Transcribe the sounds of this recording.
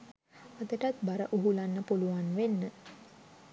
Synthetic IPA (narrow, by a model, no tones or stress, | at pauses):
ad̪əʈat̪baɾəʔuɦulanːəpuluʋanʋenːə